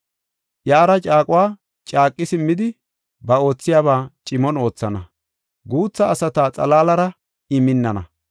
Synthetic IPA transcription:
jaːɾɐt͡ʃʼaːkʼʊwaː | t͡ʃʼaːkʼːɪsɪmːɪd̪ɪ | bɐo̞ːt͡sːɪjaːβaːt͡ʃʼɪmɔno̞ːt͡sːɐnɐ | ɡuːt͡sːɐːsɐt̪aːt͡sʼɐ̰laːlɐɾɐ | ɪmɪnːɐnɐ̰

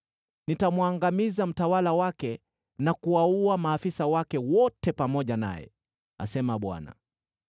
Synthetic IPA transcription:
nitamwaŋɡamizam̩tawalawakɛ | nakuauamaːfisawakɛwɔtɛpamɔʄana̰jɛ̰ | a̰sɛmaɓwa̰na̰

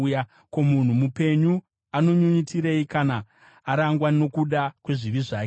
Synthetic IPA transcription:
ja | ko̞mun̤umupe̞ɲu | ano̞ɲuɲitiɾeikanaː | ɾaŋɡwano̞kuɗakwe̞ʐiriʐaːke

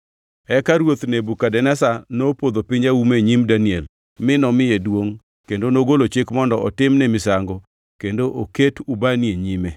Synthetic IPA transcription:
ɛkaɾwot̪nebukadɛnɛsanopod̪opɪɲawumeɲimdaniɛl | mɪnɔmɪjedwoŋ | kendonoɡolot͡ʃekmɔndɔʔɔtɪmnɛmɪsaŋɡo | kendoʔoketubanieɲime

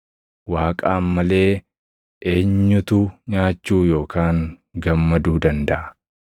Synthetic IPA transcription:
waːkʼaːmɐle̞ː | ʔe̞ːɲːʊt̪ʊɲaːt͡ʃːuːjo̞ːkʰaːŋ | ɡɐmːɐd̪uːd̪ɐnd̪ɐʔɐ

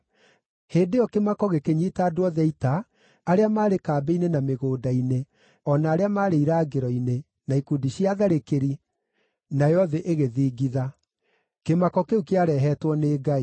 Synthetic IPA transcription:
heːdeɔkemakɔɣekeɲiːtaːdowɔðɛitaː | ɾeamaːɾekaːbeinenameɣoːdaine | ɔnaːɾeamaːɾeiɾaːɡeɾɔine | naikudiɕiaðaɾekeɾi | najɔðɛʔeɣeðiːɡiða | kemakɔkeukeaɾɛɦɛːtwɔneːɡai

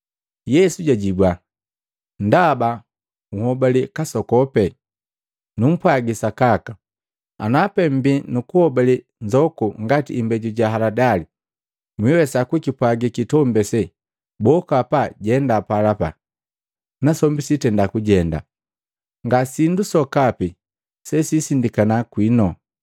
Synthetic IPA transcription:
jɛsuɟaɟibwa | ndaba | uhɔbalikasɔkɔpɛ | num̩pwaɡisakaka | a̰napɛm̩binukuhɔbali | ɲd͡ʒɔkuŋɡatḭːmbɛɟuɟaɦaladali | mwiwɛsakwikipwaɡikitɔmbɛsɛ | bɔkapaɟɛndapalapa̰ | nasɔmbisitɛndakuɟɛnda̰ | ŋɡasindusɔkapi | sɛsisindikanakwinɔ

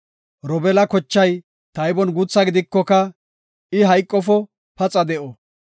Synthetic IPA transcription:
ɾɔbɛlɐkɔt͡ʃːɐj | t̪ɐjbɔnɡut͡sːɐɡɪd̪ɪkːɔkɐ | ɪɦɐjkʼːɔfɔ | pɐt͡sʼɐd̪ɛʔɔ

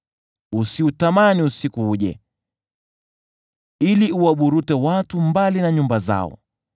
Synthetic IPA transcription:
usiutamaniusikuuʄɛ̰ | iliuwaɓuɾutɛwatumbalinaɲumbaza̰ɔ̰

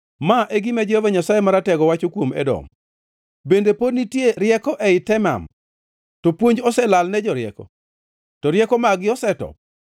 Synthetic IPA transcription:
maʔɛɡɪmɛd͡ʒɛhovaɲasajemaɾatɛɡɔwat͡ʃokwomɛ̰dɔ̰m | bendepodnitjeɾɪjɛkɔʔɛɪtɛma̰m | tɔpwoɲd͡ʒɔsɛlalnɛd͡ʒɔɾjɛ̰kɔ̰ | tɔɾjɛkɔmaɡɪɔsɛtɔ̰

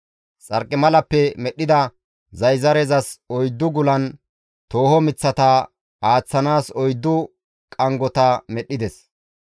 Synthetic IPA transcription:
t͡sʼɐɾkʼːɪmɐlɐpːɛmɛɗːɪd̪ɐ | zɐjzɐɾɛzɐsɔjd̪ːʊɡʊlɐn | t̪oːhɔmɪt͡sːɐt̪ɐ | aːt͡sːɐnaːsɔjd̪ːʊ | kʼɐŋɡɔt̪ɐmɛɗːɪd̪ɛs

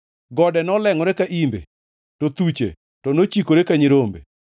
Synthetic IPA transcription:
ɡɔdɛnɔlɛŋɔɾekaʔimbḛ | tot̪ut͡ʃḛ | tɔnot͡ʃikoɾekaɲiɾombḛ

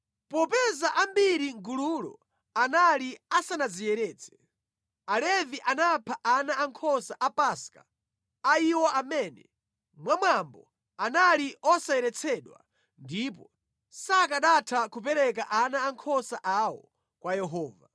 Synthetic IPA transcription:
pɔpɛzaʔambiɾiŋɡululɔ̰ | analiasanad͡zijɛɾɛːt͡sʰɛ̥ | alɛviʔanapʰaʔanaaŋkʰɔsaʔapaska̰ | aiwɔʔamɛːnɛ̰ | mwamwambɔ̰ | analiʔɔsajɛɾɛt͡sʰɛɗwa̰ | ndip̬ɔ | sakaɗatʰakup̬ɛɾɛk̬aʔanaːŋkʰɔsaʔawɔ̰ | kwajɛɦɔːva

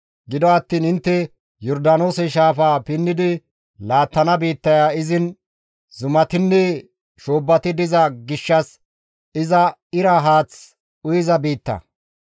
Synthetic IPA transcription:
ɡɪd̪ɔɐt̪ːiːnɪnt̪ːɛ | jɔɾd̪ɐno̞ːsɛʃaːfaːpɪnːɪd̪ɪ | laːt̪ːɐnɐbiːt̪ːɐjaːɪzɪn | zʊmɐt̪ɪnːɛ | ʃoːbːɐt̪ɪd̪ɪzɐɡɪʃːɐs | ɪzɐɪɾɐɦaːt͡s | ʊjɪzɐbiːt̪ːɐ̰

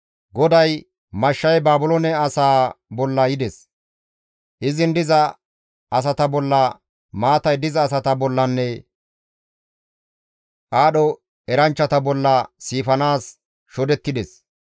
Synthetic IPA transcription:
ɡɔd̪ɐj | mɐʃːɐjbaːbʊlɔnɛɐsaːbɔlːɐjɪd̪ɛs | ʔɪzɪnd̪ɪzɐ | ɐs̬ɐt̪ɐbɔlːɐ | maːt̪ɐjd̪ɪzɐːsɐt̪ɐbɔlːɐnːɛ | ʔaːɗɔ | ɛɾɐnt͡ʃːɐt̪ɐbɔlːɐːiːfɐnaːs | ʃɔd̪ɛt̪ːɪd̪ɛs

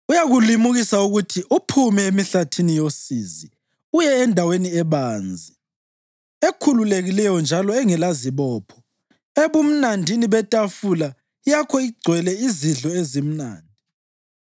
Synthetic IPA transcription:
ujaɣulimuɣisauɣutʰiʔupʰumɛemiɬatʰinijosizi | ujɛːndʱaweniɛβaːnd͡zʱi | ekʰululeɣilɛjɔnd͡ʒʱalɔɛŋɛlaziβɔːpʰɔ̥ | eβum̩nandʱiniβɛtʼafula | ijakʰɔiɡ͡ǀʱwɛlɛiziɮɔezim̩na̰ːndʱi

